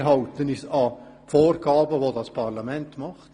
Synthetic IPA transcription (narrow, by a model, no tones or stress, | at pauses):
ɦɑltənɪsɑ | foːrɡɑːbəʋoːdɑspʰɑʁlɑmɛntmɑχt